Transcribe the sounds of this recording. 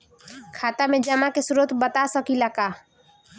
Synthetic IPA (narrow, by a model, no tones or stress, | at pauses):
kʰaːt̪amẽd͡ʒəmakesʊɾot̪bət̪asəkilaka